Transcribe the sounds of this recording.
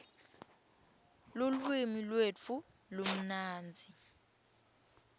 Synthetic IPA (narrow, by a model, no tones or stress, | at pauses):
lulwimilwet͡fʰu | lom̩naːnd͡zʱi